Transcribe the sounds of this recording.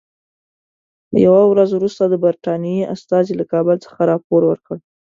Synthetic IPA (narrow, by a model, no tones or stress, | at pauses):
lə̰jawawɾazwɾust̪ad̪əbaɾt̪ɑnijeʔa̰st̪ɑzilakɑbəlt͡sə̥xaɾɑpoɾwəɾkəɽ